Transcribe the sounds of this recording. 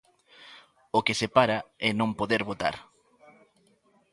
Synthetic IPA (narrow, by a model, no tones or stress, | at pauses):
okesepaɾaɛnõmpoðeɾβot̪a̰ɾ